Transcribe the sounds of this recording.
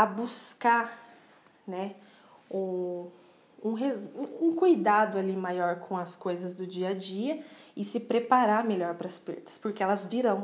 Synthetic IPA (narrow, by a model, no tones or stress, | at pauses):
ɐbuska | nɛ | ũ | ũɦezũkujd̪ad̪ʊalimajɔɾkʰõɐskojzɐzd̪ʊd͡ʒiɐd͡ʒiɐɪsɪpɾepaɾaɾmeʎɔɾpɾɐspḛɾt̪ɐ̥spʊɾkeɛlɐzviɾɐ̃w̃